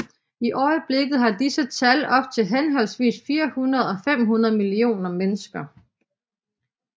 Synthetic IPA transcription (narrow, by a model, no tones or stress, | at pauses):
iʔɒɪəb̥le̝ɡ̥ð̩ˠhɑ̈d̥isət͡sʰælɒ̽b̥̚t͡sʰe̝lɦenɦɒ̽lsʋḭːsfiːɐhunɐð̞̩ˠɒ̽fem̰ɦunɐð̞̩ˠmilio̝̰ːnɐmenəsɡ̥ɐ